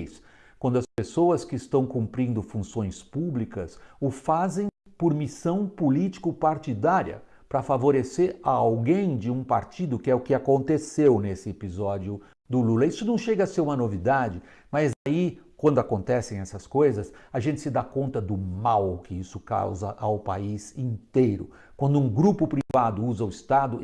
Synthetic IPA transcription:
s | kwɐ̃nd̪ʊɐspesoɐskɪɪst̪ɐ̃w̃kũpɾĩnd̪ʊfũsõj̃spublikɐsʊfazẽj̃ | poɾmisɐ̃w̃pʊlit͡ʃi̥kʊpaɾt͡ʃid̪aɾiɐ̰ | pɾɐfavoɾeseɾaawɡẽj̃d͡ʒɪũpaɾt͡ʃid̪ʊkɪɛʊkɪakõnt̪esewnesɪepizɔd͡ʒjʊ | d̪ʊlulɐisʊnɐ̃w̃ʃeɡɐɐseɾũmɐnovid̪ad͡ʒɪ | mɐzaikwɐ̃nd̪ʊakõnt̪ɛsẽj̃ɛsɐskojzɐsaʒẽnt̪ɪsɪd̪akõnt̪ɐd̪ʊmawkɪisʊka̰wzɐʔawpa̰izĩnt̪ejɾʊ̰ | kwɐ̃nd̪ʊũɡɾupʊpɾivad̪ʊuzɐʊist̪ad̪ʊ

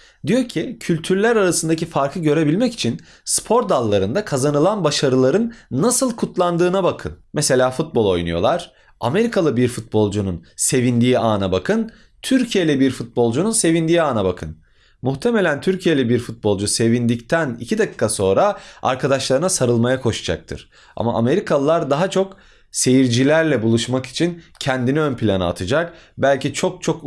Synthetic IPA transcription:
d̪ijo̞ɾcʰicʰylʲt̪ʰyɾlʲæɾaɾasɯnd̪ac̬ifaɾkʰɯɟø̞ɾe̞bilʲmɛci̥t͡ʃʰin | spʰo̞ɾ̚d̪alˠːaɾɯnd̪akʰazanɯlˠanbaʃaɾɯlˠaɾɯnːasɯlˠkʰut̪lˠand̪ɯːnabakʰɯnmese̞lʲaːfut̪̚bo̞lˠo̞̰jnṵjo̞lˠaɾ̥ | a̰me̞ɾikʰalˠɯbiɾfut̪̚bo̞lˠd͡ʒununse̞vind̪iːaːnabakʰɯn | t̪ʰyɾcʰije̞lʲɛbiɾfut̪̚bo̞lˠd͡ʒununse̞vind̪iːaːnabakʰɯn | muht̪ʰe̞melʲænt̪ʰyɾcʰije̞lʲɛbiɾfut̪̚bo̞lˠd͡ʒuse̞vind̪ict̪ʰænḭcʰid̪akɯ̥kʰːaso̞nɾaa̰ɾkʰad̪aʃlˠaɾɯnasaɾɯlˠmajakʰo̞ʃad͡ʒa̰k̚t̪ʰɯɾ̥ | a̰ma̰ʔame̞ɾikʰalˠɯlˠaɾd̪aɦat͡ʃʰo̞k | se̞jiɾd͡ʒilʲæɾlʲɛbulˠuʃmaki̥t͡ʃʰincʰɛnd̪iniønpʰilʲanɯ̰a̰t̪ʰɯd͡ʒakbælʲcit͡ʃʰo̞k̚t͡ʃʰo̞k

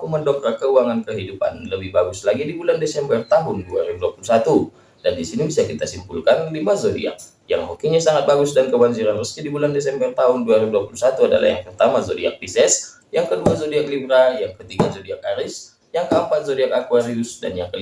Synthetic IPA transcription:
akuməndokakəuaŋankəɦidupa̰nləbɪhbaɡuslaɡidibulandesɛmbərt̪aɦʊnduaɾiuduapulusat̪u | dandisinibisakit̪asimpulkanlimazodḭa̰k̚ | ja̰ŋmokiɲasaŋat̪̚baɡʊsdankəbaɲd͡ʒiɾanrəsk̪idibulandes̬ɛmbərt̪aɦʊnduaɾiuduapulusat̪uada̰la̰ja̰ŋpərt̪amazodiak̚bisɛs | jaŋkəduazodiak̚libɾajaŋkət̪iɡazodiak̚aɾɪs | jaŋkəəmpat̪̚zodiakakuaɾiʊsda̰njaŋkə

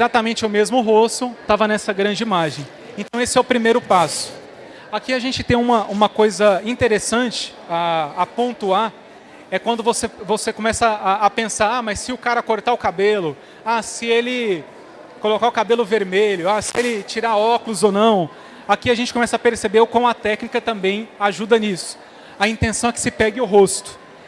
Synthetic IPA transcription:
ezat̪amẽnt͡ʃɪʊmezmʊɦost̪ʊt̪avɐnɛsɐɡɾɐ̃nd͡ʒɪimaʒẽj̃ | ẽnt̪ɐ̃w̃esɪɛʊpɾimejɾʊpasʊ̥ | akiaʒẽnt͡ʃɪ̥t̪ẽj̃ũmɐʔũmɐkojzɐĩt̪eɾesɐ̃t͡ʃɪ̥ | aːpõnt̪ua | ɛkwɐ̃nd̪ʊvosevosekõmɛsɐaːpẽsaɾamɐsːɪʊkaɾɐkoɾt̪aʊkabelʊ | asɪelɪ | kolokaʊkabelʊveɾmeʎʊasɪelɪt͡ʃiɾaɾɔkʊlʊzownɐ̃w̃ | akiaɐʒẽnt͡ʃɪkõmɛsɐːpeɾsebeɾʊkwɐ̃w̃ɐt̪ɛknikɐt̪ɐ̃mbẽj̃aʒud̪ɐnisʊ̥ | ɐĩnt̪ẽsɐ̃w̃ɛkɪ̥sɪpɛɡɪʊɦost̪ʊ̥

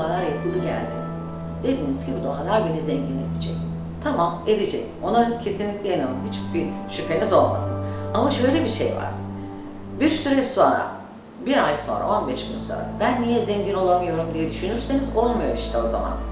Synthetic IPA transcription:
alˠaɾjkʰɯlʲˠiɟæ̰lʲd̪ɪ̰ | d̪̥e̞d̪iːnizcʰibid̪omalˠaɾbenizɛɲɟine̞d̪ed͡ʒɛ̰c | t̪ʰamame̞d̪ed͡ʒɛ̰c | o̞nacʰe̞sinlʲicʲlʲɛjanalˠɯmɦit͡ʃbiʃypʰe̞nizo̞lˠma̰sɯnamaʃø̞jlʲebiʃḛjva̰ɾ̥ | biɾsyɾɛso̞nɾa̰ | biɾajso̞nɾa̰ʔo̞nbɛʃɡynso̞̰nɾa̰b̥ænːijɛzɛɲɟino̞lˠamɯjo̞ɾumd̪ijɛd̪yʃynyɾse̞nizo̞lˠmujo̞̰ɾiʃt̪ʰɛo̞za̰ma̰n

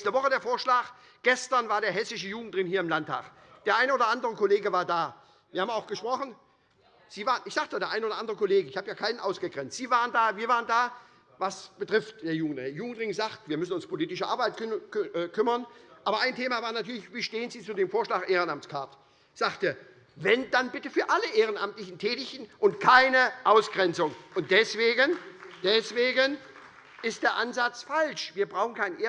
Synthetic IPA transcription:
stəvɔχədeːɐfoːɐʃlaːx | ɡ̥ɛstɐnvaːɐɾeːɐɦɛsɪʃəjuːɡŋ̩tʁ̥ɪŋnhiːɐɪmlantʰa̰ːx | d̥eːɐʔaɪnəoːdɐʔandəʁəkʰoleːɡəvaːɐdaː | viːɐhaːmaʊxɡ̥əʃpʁ̥ɔχn̩ | z̥iːvaːʁənɪçz̥aːktd̥aːdeːɐʔaɪnəoːdɐ̰ʔandəʁəkoleːɡəɪçhaːbəjaːkʰaɪnənʔaʊsɡ̥əɡʁɛnt͡stz̥iːvaːʁəndaːviːɐvaːʁəndaː | vasb̥ətʁ̥ɪftd̥eːɐjuːɡŋ̩tɪjuːɡŋ̩tlɪŋzaːktv̥iːɐmʏsn̩ʊnspʰoliːtɪʃəʔa̰ɐbaɪtː | kʰʏmɐnʔaːbɐaɪntʰeːmavaːɐnatʰyːɐlɪçviːʃteːənziːt͡suːdeːmfoːɐʃlaːxʔeːʁənamt͡skʰaɐt | z̥aːktə | vɛndanbɪtəfyːɐʔaləʔeːʁənʔamtlɪçn̩tʰɛːtɪçtn̩ʔʊntkʰaɪnəʔaʊsɡ̥ʁɛnt͡sʊŋʔʊnt̚d̥ɛsv̥eːɡənd̥ɛsv̥eːɡən | ʔɪst̚d̥eːɐʔanzat͡sfalʃv̥iːɐbʁaʊxn̩kʰaɪnnʔeː

